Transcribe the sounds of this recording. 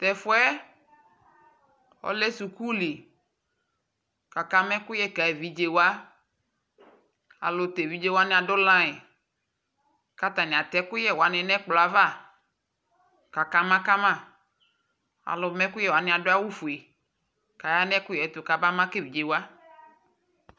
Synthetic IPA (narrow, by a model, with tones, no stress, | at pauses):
t̪ɛ˨fʊ˦ɛ˦ | ɔ̰˦lɛ˦su˨ku˦li˨ | ka˨ka˦mɛ̃˦kʊ˦jɛ˦ka˨e˨vi˨d͡ʒe˨wa˦ | a̰˨lʊ˨t̪e˨vi˨˦d͡ʒe˦wa˦nɪ̃˦a˨dʊ˦lã˦e˨ | ka˨t̪a˨nɪ̃˨a˨t̪ɛ˦kʊ˦jɛ˦˨wa˨nɛ˨nɛ̃˦k͡plɔ˨a˨va˦˨ | ka˨ka˨mã˦ka˦mã˦˨ | a̰˨lʊ˨mɛ̃˦kʊ˦jɛ˦wa˨nɪ̃˦a˨dʊ˦a˦wu˦fu˨e˨ | ka˨ja˦nɛ̃˦kʊ˦jɛ˨˦t̪ʊ˨ka˨ba˦mã˦ke˦vi˨d͡ʒe˨wa˦